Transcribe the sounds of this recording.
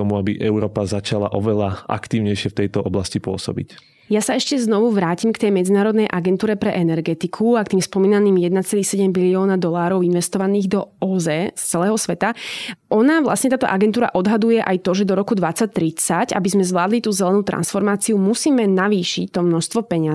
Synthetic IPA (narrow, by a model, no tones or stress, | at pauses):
ɔmuabiʔɛʊɾɔːpazat͡ʃala̰ʔɔʋɛlaʔa̰kt̪iːʊɲɛjʃɪɛft̪ɛjt̪ɔʔɔblascipʊɔ̰sɔ̰bḭc | jasaɛʃcɛznɔʋuʋɾaːcimkt̪ɛjmɛd͡zinaːɾɔd̪nɛjʔaɡɛnt̪uːɾɛpɾɛʔɛnɛɾɡɛt̪ikʰuakt̪iːmspɔmiːnaniːmjɛd̪nat͡sɛliːxsɛɟɛmbiliɔːnad̪ɔlaːɾɔʊinʋɛst̪ɔʋaniːɣd̪ɔɔzɛst͡sɛlɛːɦɔsʋɛt̪aʔɔnaʋla̰sɲɛt̪aːt̪ɔʔaɡɛnt̪uːɾa̰ʔɔd̪ɦad̪ujɛʔajt̪ɔʒɛd̪ɔɾɔkud̪ʋat͡sːac̚t̪ɾit͡saca̰bizmɛzʋlaːd̪lit̪uːzɛlɛnuːt̪ɾa̰nsfɔɾmaːt͡siumusiːmɛnaʋiːʃic̚t̪ɔmnɔʃst̪ʋɔpɛɲɪa